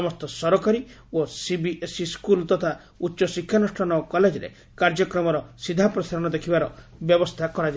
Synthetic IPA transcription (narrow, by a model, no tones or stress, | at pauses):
ɔmɔst̪ɔsɔɾɔkaɾi | osibiʔesiskult̪ɔt̪ʰa | utːʃɔsikʰːjanusʈʰɔnɔkɔled͡ʒɔɾḛ | kaɾd͡ʒɔkɾɔmɔɾɔsid̪ʱapɾɔsaɾɔñɔd̪ekʰibaɾɔ | bjɔbɔst̪ʰakɔɾad͡ʒa